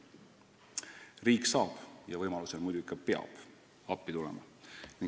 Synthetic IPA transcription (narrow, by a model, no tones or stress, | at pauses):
riːkˑsɑːb̥jɑvɤjmɑluselmujd̪uikːˑɑpe̞ɑ̰b̥ | ɑpːit̪ulɛ̰mɑ̰ | niŋ